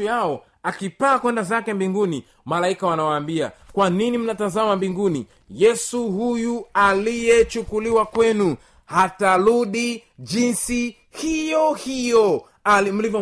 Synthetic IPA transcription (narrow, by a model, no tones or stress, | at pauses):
jaɔ | akipaːkwɛndazakɛmbiŋɡuni | malaikawanawaːmbia̰kwaninim̩natazamambiŋɡunḭ | jɛsuhujualijɛt͡ʃukuliwakwɛnu | hataɾuɗid͡ʒinsi | hijɔhijɔ | alim̩livɔ